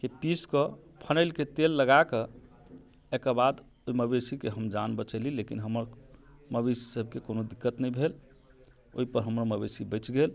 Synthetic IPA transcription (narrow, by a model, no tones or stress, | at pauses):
kepiskɔpʰənəɪlket̪elːəɡake | ekəbad̪ | oiməbesikeɦəmd͡ʒanbət͡ʃəlilekinɦəməɾməbesi̥səb̚ʱkekonod̪ikːət̪nəjbʱel | o̰ɦipəɾɦəmɾaməbesibəɪt͡ʃɡel